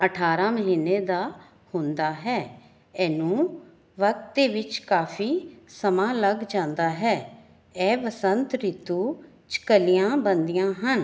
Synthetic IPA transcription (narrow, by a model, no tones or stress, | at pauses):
əʈʰaːɾãːməɦiːneːd̪aː | hʊ̃nd̪aːɦɛː | ɛːnũː | ʋək̚t̪eːʋɪt͡ʃkaːpʰiːsəmãːləɡd͡ʒãːnd̪aːɦɛː | ɛːʋəsənt̪ɾit̪uː | t͡ʃkəlijãːbənd̪ijãːɦən